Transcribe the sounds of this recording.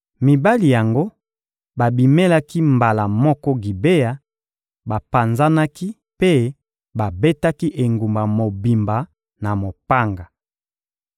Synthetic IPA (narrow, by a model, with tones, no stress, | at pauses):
mi˨ba˦li˨ja˨ŋɡo˦ | ba˨bi˨me˦la˦ki˦mba˨la˨mɔ˦kɔ˦ɡi˨be˦ja˨ | ba˨pa˨nza˦na˦ki˦ | pe˦ | ba˨be˦ta˦ki˦ʔe˨ŋɡu˨mba˨mo˨bi˨mba˨ | na˨mo˨pa˦ŋɡa˨